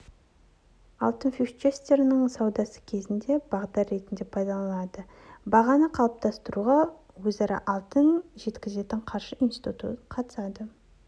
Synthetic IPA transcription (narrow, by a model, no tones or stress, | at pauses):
ɑ̰lˠt̪ənfiʃt͡ʃest̪e̞ɾɪnɪŋsɑwd̪ɑsə̥kʲʰe̞zɪnd̪e̞bɑʁd̪ɑɾɾe̞t̪ɪnd̪epʰɑjd̪ɑlˠɑd̪ə | bɑʁɑnəqʰɑlˠəp̚t̪ɑst̪əɾuʁɑ | wɵzɑɾɑ̰ʔɑlˠt̪ənʒe̞t̪kʲɪze̞t̪ɪɴqʰɑɾʃəʔinsi̥t̪ut̪ṵt̪qʰɑt̪ə̥sɑd̪ə